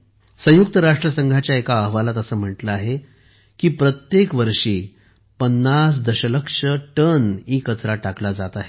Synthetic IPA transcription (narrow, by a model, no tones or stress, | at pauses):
sə̃juk̚t̪əɾaʂʈɾəsəŋɡʱat͡ɕjaekaəɦʋalat̪əsəːm̤əʈləaɦe | kiːpɾət̪jekʋəɾʂiː | pənːas̬d̪əɕələkʂəʈəniːkət͡sɾaʈaklad͡zat̪aɦe